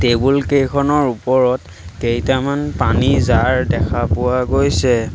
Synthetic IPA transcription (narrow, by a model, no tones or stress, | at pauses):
tebulkejkʰɔnɔɹupɔɹɔt | kejtamanpanizaɹdɛkʰapʊwaɡojsɛ